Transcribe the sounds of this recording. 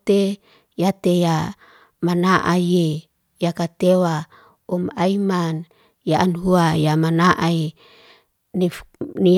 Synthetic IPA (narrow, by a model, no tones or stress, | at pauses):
t̪e | jat̪eja | manaʔaje | jakat̪ewa | umaiman | jaʔanɦuajamanaʔai | nini